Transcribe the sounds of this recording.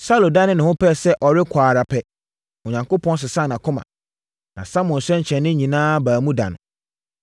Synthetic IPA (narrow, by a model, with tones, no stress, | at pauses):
sa˦lo˨da˦nɪ̃˦nʊ̃˨hʊ̃˦pʰɛ˦˨sɛ˦ʔɔ˨ɾɪ˦kʷʰaː˨ɾa˨pʰɛ˦ | ʊ˨ɲã˨ŋko˦pʰɔ̃˦ns̬ɪ˨sã˦˨nã˨kʰʊ̃˦mã̰˨ | nã̰˨sa˦mʊ̃˨n̩˨sɛ̃˦ɲ̩˨t͡ɕʰɛ̃˨nːɪ̃˦ɲĩ˨nãː˦baː˨mũ˦da̰˨nʊ̰̃˨